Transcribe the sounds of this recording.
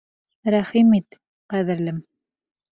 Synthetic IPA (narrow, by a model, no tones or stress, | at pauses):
ɾæχimit̪ | qæðɘ̆ɾlɘm